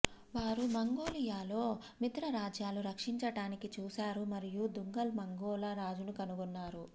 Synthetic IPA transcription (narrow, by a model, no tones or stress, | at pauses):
ʋaːɾumɐŋɡo̞ːlijaːlo̞ː | mit̪ɾɐɾaːd͡ʒjaːluɾɐkʂiɲt͡ʃɐɽaːnikit͡ʃuːsaːɾumɐɾijud̪uŋɡɐlmɐŋɡoːlaːɾaːd͡ʒunukɐnuɡunːaːɾu